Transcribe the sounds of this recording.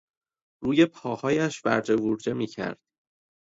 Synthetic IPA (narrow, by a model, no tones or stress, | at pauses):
ɾuːje̞pʰɒːhɒːjæʃvæ̰ɾd͡ʒe̞vuɾd͡ʒe̞miːcʰæ̰ɾd̪̥̚